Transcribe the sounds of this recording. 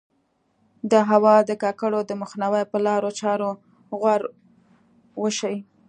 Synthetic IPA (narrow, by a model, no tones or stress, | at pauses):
d̪əɦawɑd̪əkɑkaɽod̪əməxnawajpəlɑɾot͡ʃɑɾo | ɣwaɾ | wəʃaji